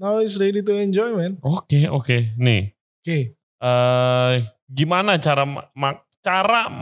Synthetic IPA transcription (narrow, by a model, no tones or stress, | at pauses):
nawɪsɾedit̪̬uɛɲd͡ʒɔjmɛnokeokenɪ̰ | oke | ə | ɡimanat͡ʃaɾama | t͡ʃaɾa